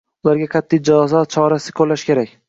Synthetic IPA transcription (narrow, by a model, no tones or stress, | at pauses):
ʊlaɾɡʲaqʰɑt̪ʰːijd͡ʒaɒzɒt͡ʃʰɒɾasɪ̥kʰolːaʃkʲʰe̞ɾakʲ